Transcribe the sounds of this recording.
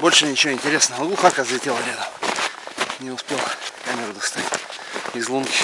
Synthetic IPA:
bolʲʂɨnʲɪt͡ɕɪvoɪnʲtʲɪɾʲesnəʋəɡlˠuxakazlʲɪtʲelˠɐlʲed̪ə | nʲɪʊspʲelˠkamʲɪɾud̪ʊst̪atʲɪzlˠunkʲɪ̥

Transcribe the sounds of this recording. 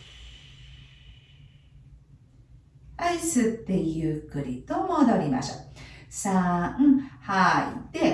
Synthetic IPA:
aisɨt̪ːe̞jɯ̟ːkɯ̟ɾʲit̪omo̞d̪o̞ɾʲima̰ɕoːsaɯ̃haḭd̪̥e̞

